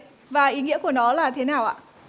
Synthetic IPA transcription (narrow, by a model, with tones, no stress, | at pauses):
vaː˨˩ʔi˨˦ŋḭ˧˥əku˧˩ənɔ˨˦laː˨˩t̪ʰe˨˦naː˨˩wʔa̰ː˧˨